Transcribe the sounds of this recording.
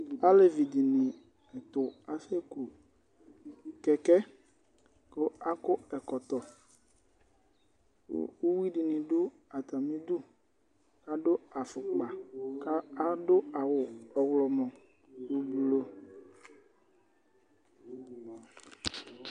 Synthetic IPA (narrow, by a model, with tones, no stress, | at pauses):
a˦le˨vi˨d̪i˨nĩ˨ | ɛ˨t̪ʊ˨a˨fe˦ku˨ | kɛ˨kɛ˦ | ko˦a˦kʊ˦ɛ˨kɔ˨t̪ɔ˨˦ | wo˦wi˦ɖi˨nĩ˨ɖu˦ | a˨t̪a˨mĩ˦d̪u˦ | ka˦ɖo˦a˨fʊ˨k͡pa˨ka˦a˦ɖo˦a˨wʊ˨ɔ˨wlɔ˨mɔ̃˨ | u˨bu˨lo˦